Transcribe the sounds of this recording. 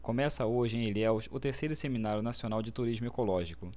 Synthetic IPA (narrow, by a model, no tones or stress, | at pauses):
kõmɛsɐoʒɪẽj̃elɛwsʊt̪eɾsejɾʊseminaɾjʊnasiõnawd͡ʒɪt̪uɾiʒmʊekolɔʒikʊ